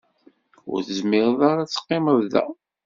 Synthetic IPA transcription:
ʊ̰ɾθəzmɪʁðˤaɾat͡sːə̥qːɪmævðæ̰

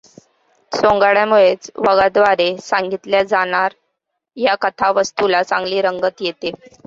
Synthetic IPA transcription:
sõŋɡaɽjamuɭet͡sʋəɡad̪ʋaɾesaŋɡit̪ljad͡zaɽ̃aɾ | jakət̪ʰaʋəst̪ulasaŋɡliːɾəŋɡət̪jet̪e

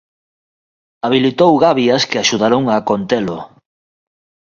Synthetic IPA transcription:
aβ̞ilit̪owɣaβjɐskeaʃuðaɾoŋakont̪elo

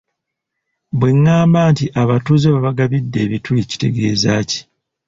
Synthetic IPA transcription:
bwe̞ŋːaːmbaːntiʔaβatuzeβaβaɡaβidːe̞ːβitulici̥te̞̰ɡe̞̰ːzaːci̥

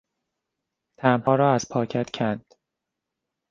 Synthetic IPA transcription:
t̪ʰæmhɒːɾɒːæz̥pʰɒːcʰæt̪cʲʰænd̪̥

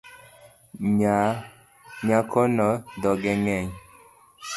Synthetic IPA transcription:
ɲa | ɲakʰɔnɔdɔɡɛŋɛɲ

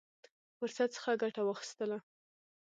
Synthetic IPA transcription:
fʊɾsat̪̚sə̥xaɡaʈawəxi̥st̪əla

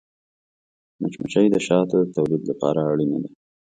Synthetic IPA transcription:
mət͡ʃmaʃajd̪əʃɑt̪d̪ət̪awlid̪lapɑ̰ɾaːɽinad̪a

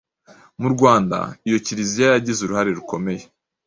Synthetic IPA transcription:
muɾɡwaːnda̰ijo̞ciɾizijajaɟizuɾuhaɾe̞ɾuko̞me̞je̞

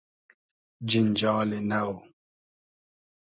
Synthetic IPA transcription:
d͡ʒind͡ʒɔːlenawo

